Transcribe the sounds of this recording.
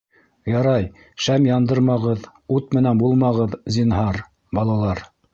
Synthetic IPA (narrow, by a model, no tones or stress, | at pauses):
jɑɾɑj | ʃæmjɑnd̪ɤɾmɑʁɤð | ut̪mɘ̆nænbulˠmɑʁɤðzʲinɦɑɾ | bɑlˠɑlˠɑɾ